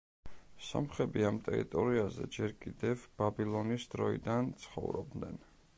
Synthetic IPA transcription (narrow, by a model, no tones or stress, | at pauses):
sɔ̰mχɛbiamt̪ʼɛɾḭt̪ʼɔɾiazɛ̰d͡ʒɛɾkʼid̪ɛvb̥abilˠɔnisd̪ɾɔḭd̪ant̪sʰχɔ̰vɾɔb̚d̪nɛn